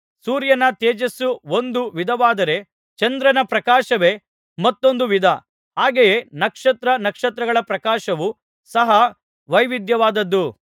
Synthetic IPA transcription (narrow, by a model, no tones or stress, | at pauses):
suːɾjɐnɐt̪eːd͡ʒɐsuo̞nd̪uʋid̪ʱɐʋaːd̪ɐɾe̞ | t͡ʃɐnd̪ɾɐnɐpɾɐkaːʃɐʋe̞ː | mɐt̪ːo̞nd̪uʋid̪ʱɐ | aːɡejeːnɐkʂɐt̪ɾɐnɐkʂɐt̪ɾɐɡɐɭɐpɾɐkaːʃɐʋu | sɐɦɐ | ʋɐjʋid̪jɐʋaːd̪ɐd̪ːu